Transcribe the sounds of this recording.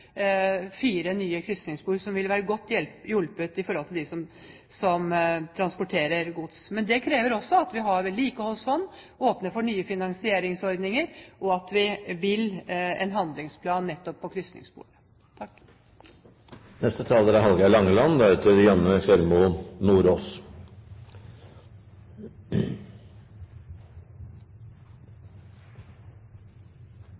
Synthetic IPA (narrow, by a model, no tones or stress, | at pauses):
fiːɾənyːəkʰɾʏst̪nɪŋspuːɾsɔmʋɪlʋæːɾəɡɔt̪ːjɛlpjʉlpʉt̪ɪfɔɾhɔlt̪ɪld̪ɪsɔm | sɔmt̪ʰɾɑnspʊʈʰeːɾəɾɡʊt̪smɛnd̪ɛkʰɾeːʋəɾɔsːɔɑt̪ʋɪɦɑɾʋɛlːiːkɔhɔsɔnː | oːpnəfɔɳyːəfɪnɑŋsɪeːɾɪŋsɔɾd̪nɪŋəɾʔɔɑt̪ʋɪʋɪlːɛ̰nɦɑnd̪lɪŋspʰlɑːnːɛt̪ːɔpʰːɔkʰɾʏst̪nɪ̰ŋspṵːlə | t̪ʰɑkː | nɛst̪ət̪ʰɑːləɾæhɑlɡɑlɑŋːəlɑnd̪ɛɾɛt̪ʰəɾjɛmːəfœɾmʊnuːɾoːs